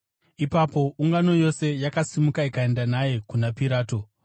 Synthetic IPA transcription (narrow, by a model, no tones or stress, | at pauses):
ipapo̞uŋɡano̞jo̞se̞jakasimukaikae̞ndanaje̞kunapiɾaːto̞